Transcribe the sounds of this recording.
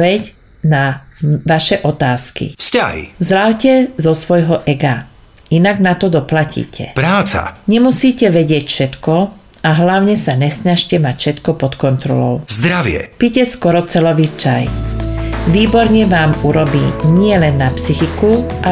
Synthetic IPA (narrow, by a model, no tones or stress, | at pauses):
ɛɟ | naʋaʃɛʔɔt̪aːskḭfsca̰ɦḭzɾaʊcɛzɔsʋɔjɦɔʔɛɡa | inaɡnat̪ɔd̪ɔplacḭːcʰɛ̰pɾaːt͡sa̰ɲɛmusiːcɛʋɛɟɪɛcfʃɛt̪kɔ | aɦlaʊɲɛsaɲɛsɲaʃcɛmacfʃɛt̪kɔpɔt̪kɔnt̪ɾɔ̰lɔ̰ʊzd̪ɾaʋɪɛ̰picɛskɔɾɔt͡sɛlɔʋit͡ʃa̰j | ʋiːbɔɾɲɛʋaːmuɾɔbḭːɲɪɛlɛnːapsixikuʔa